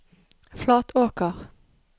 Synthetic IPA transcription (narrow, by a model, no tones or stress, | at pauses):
flɑːt̪ʰoːkəʁ